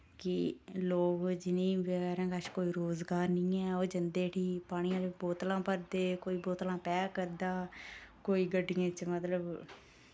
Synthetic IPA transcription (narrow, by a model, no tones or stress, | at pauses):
kɪloːɡd͡ʒɪnĩːbəɣɛːɾãːkaːʃkoːiːɾoːzɡaːɾnĩːɛːoːd͡ʒənd̪eːʈʰiːpaːɽ̃ɪjãːd͡ʒboːt̪lãːpəɾd̪eːkoːiːboːt̪lãːpɛːkəɾd̪aːkoːiːɡəɖːɪjãːt͡ʃmət̪ləb